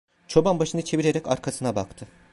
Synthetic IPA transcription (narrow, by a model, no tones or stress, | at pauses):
t͡ʃʰo̞banbaʃɯnɯt͡ʃʰe̞viɾeɾɛca̰ɾkʰasɯnabakt̪ʰɯ